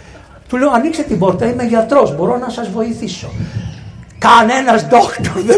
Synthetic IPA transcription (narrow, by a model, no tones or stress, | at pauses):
t̪uleoɐnikset̪ibo̞ɾt̪ɐime̞ʝɐt̪ɾo̞zbo̞ɾo̞nɐsɐzvo̞iθiso̞ | kɐne̞nɐzd̪okt̪oɾðe